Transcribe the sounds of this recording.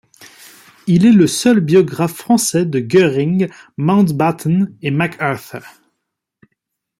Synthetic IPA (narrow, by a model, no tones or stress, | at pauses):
ilɛləsœlbjɔɡʁafːχɑ̃sɛd̪əɡœʁĩŋ | mãʊ̃t̪bat̪ʰnemakʰœʁθə